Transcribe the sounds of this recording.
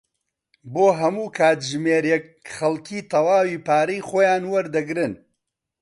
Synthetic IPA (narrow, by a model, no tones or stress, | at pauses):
boːɦɐmuːkʰaːt̪ʒmeːɾjɛk̚χɐlˠkʰiːt̪ʰɐwaːwiːpaːɾijχoːjaːnwɐɾd̪ɐɡɾɨn